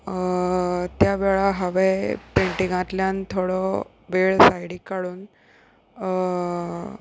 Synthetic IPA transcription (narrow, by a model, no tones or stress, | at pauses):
t̪jaʋeɭaɦaʋepeɳʈĩŋãt̪ljant̪ʰoɽɔ | ʋeɭsajɽikaɽuːn